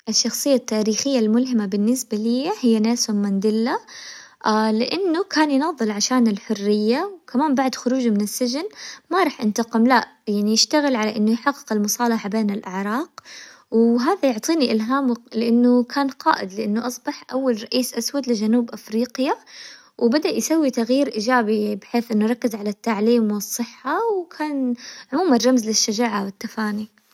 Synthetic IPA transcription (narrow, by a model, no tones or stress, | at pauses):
ʔɪʃːɑxsˤɨjːat̪ːaːɾiːxɪjːalmʊlɦɪmabɪnːɪsbaliːhɪjːanaːsamand̪ɪlːa | ʔlɪʔɪnːʊkʰaːnjnɑðˤːɨlʕaʃaːnɪlħʊrːɪjːawkamaːmbaʕd̪xʊɾuːd͡ʒmɪnɪsːɪʒnmaɾˤɑːħʔɪnt̪ɑqɪmlaʔjaʕnijɪʃt̪aɣɪlʕalaʔɪnːʊjħɑqːɨ̥qɪlmʊsˤɑːlɑħabeːnɪlʔɪʕɾˤɑːɡ̥ | wɦaːðajʊʕt̪ˤiːniʔɪlɦaːmlɪʔɪnːʊkʰaːnqɑ̰ːʔɪd̪lɪʔɪnːʊʔɑsˤbɑħʔawːalɾˤɑʔiːsʔaswad̪lɪd͡ʒanuːbʔafɾiːqja | wbad̪aʔjsawːit̪aɣjiːɾʔiːd͡ʒaːbibɪħeːθʔɪnːʊɾˤɑkːɪzʕalat̪ːaʕliːmwɨsˤːɨħːawkʰaːnʕʊmuːmarˤːɑmzlɪʃːad͡ʒaːʕawɪt̪ːafaːni